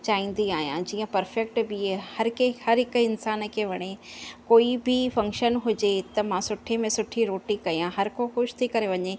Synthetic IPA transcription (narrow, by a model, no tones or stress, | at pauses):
t͡ɕaːĩːn̆d̪iaːɦijãd͡ʑiːə̃pɐɾfɛk̚ʈbihɐɾkʰehɐɾɦɪkʊɪnsaːn̆kʰeːʋɐɽ̃ekoːibʱɪfɐ̃ŋkʃənɦʊd͡ʑet̪ɐmãsʊʈʰemẽsʊʈʰiɾoːʈikɐiãɦɐɾkʰoxʊʃt̪ʰikɐɾeʋɐɲe